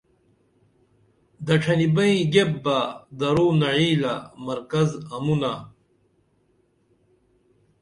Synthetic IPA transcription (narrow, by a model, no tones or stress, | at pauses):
d̪ɐʈʰɐnibɐĩɡebːad̪ɐɾoːnɐɻiːlamɐɾkɐzɐmuna